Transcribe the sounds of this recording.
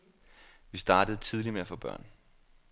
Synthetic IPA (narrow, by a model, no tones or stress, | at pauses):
ʋisd̥ɑ̈ːd̥əðˠt͡sʰið̞ˠlimeæfɔ̽ːb̥ɶ̰ɐ̰n